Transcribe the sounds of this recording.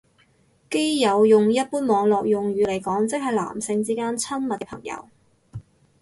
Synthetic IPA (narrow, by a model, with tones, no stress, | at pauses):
ke˥jjɐ˨˧wjʊ˨ŋjɐ˥t̚puː˥nmɔː˨˧ŋlɔː˨k̚jʊ˨ŋjyː˨˧le˨˩jkɔː˨˥ŋt͡sɪ˨k̚ɦɐ˨jla̰ː˨˩msɪ˧ŋt͡siː˥kaː˥nt͡sʰɐ˥nmɐ˨t̚kɛ˧pʰɐ̰˨˩ŋjɐ̰˧w